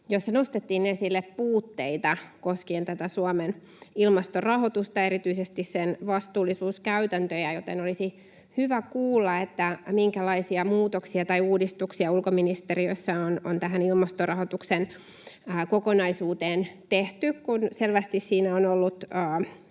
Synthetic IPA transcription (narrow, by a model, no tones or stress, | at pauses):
josːɑnost̪et̪ːiːnnesilːeppuːt̪ːeit̪ɑkoskiːnt̪æt̪æsuɑmen | ilmɑst̪orɑhot̪ust̪ɑeɾit̪yisest̪issenʋɑst̪uːlːˑisuːskæyt̪ænt̪øjæjot̪enolisi | hyʋækuːlːɑet̪ːæmiŋkælɑisiɑmuːt̪oksiɑt̪ɑiuːdist̪uksiɑulkominist̪eriøsːæonont̪æɦænilmɑst̪orɑhot̪uksenː | kokonɑisuːt̪eːnt̪eht̪ykkunselʋæst̪issiːnæonolːut̪əː